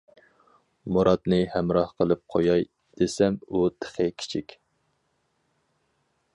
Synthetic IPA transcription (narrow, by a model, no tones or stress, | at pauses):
moɾʔɑd̪nɨhɛmɾɑhqʰəlˠɨp̚qʰojɑj | d̪̥esɛmut̪ʰə̥χəkʲʰi̥t͡ʃʰikʲ